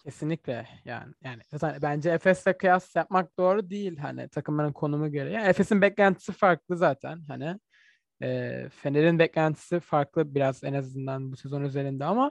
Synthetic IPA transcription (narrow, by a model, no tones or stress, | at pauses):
cʰe̞sinlʲicʲlʲɛja̰ːnɪjaːnɪat̪anbænd͡ʒɛɛfɛslɛkʰɯjasjap̚mak̚d̪o̞ːɾud̪ejilʲɦa̰nɪ̰t̪ʰakɯmanɯnkʰo̞numuɟø̞ɾɛjaːnefesinbɛclʲænt̪ʰi̥sifaɾk̚lˠɯzaːt̪ʰæ̰nɦanɪ | ɛ̰ːfeneɾinbɛclʲænt̪ʰi̥sifaɾklˠɯbiɾazenazɯnd̪anbusezo̞nyze̞ɾind̪ɛama